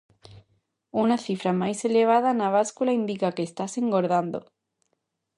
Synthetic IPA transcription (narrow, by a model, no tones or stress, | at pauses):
unaθifɾamajseleβ̞að̞anaβ̞askulaind̪ikakest̪aseŋɡoɾðand̪o̰